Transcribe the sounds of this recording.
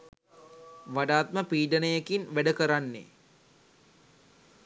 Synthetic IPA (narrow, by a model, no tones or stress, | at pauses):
ʋaɖaːt̪̚məpiːɖənəjekinʋæɖəkəɾanːḛ